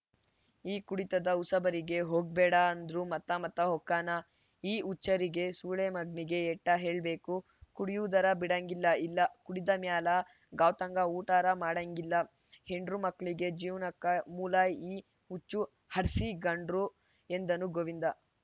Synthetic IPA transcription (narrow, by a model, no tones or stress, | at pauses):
iːkuɽit̪ɐd̪ɐusɐbɐɾiɡe̞ɦoːɡ̚bɛːɽɐːnd̪ɾumɐt̪ːɐmɐt̪ːɐɦɔkːaːnɐ | iːut͡ʃːɐɾiɡe̞suːɭemɐɡɳiɡe̞ːʈːɐɦe̞ːɭbe̞ːku | kuɽijuːd̪ɐɾɐbiɽɐŋɡilːɐilːɐkuɽid̪ɐmjaːlɐ | ɡaːʋt̪ɐŋɡɐuːʈaːɾɐmaːɽɐŋɡilːɐ | heɳɖɾumɐkːɭiɡe̞d͡ʒiːʋnɐkːɐmuːlaːjiː | ut͡ʃːu | hɐɾsiɡɐɳɖɾu | e̞nd̪ɐnuɡoʋind̪ɐ